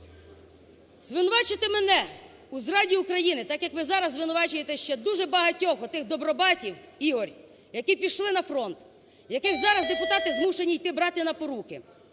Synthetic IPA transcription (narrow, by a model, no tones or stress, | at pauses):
zʋɪnʊʋɑt͡ʃɪt̪emenɛ | uzɾɑdʲiukɾɐjinɪt̪ɑkjɐkʋɪzɑɾɐzzʋɪnʊʋɑt͡ʃʊjet̪ɛʃt͡ʃɛd̪uʒɛbɐɦɐtʲɔɦɔt̪ɪxd̪ɔbɾɔbɑtʲiwiɦɔrʲ | jɐkipʲiʃlˠɪnɐfɾɔnt̪ | jɐkɪxzɑɾɐzd̪epʊt̪ɑt̪ɪzmuʃenʲijt̪ɪbɾɑt̪ɪnɐpɔɾukɪ